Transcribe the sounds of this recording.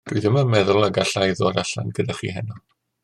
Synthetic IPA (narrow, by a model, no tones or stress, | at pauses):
d̥ʊɨðɪməmɛðʊlˠəɡaɬajðɔɾaɬa̰nɡədaχḭːɦɛnɔ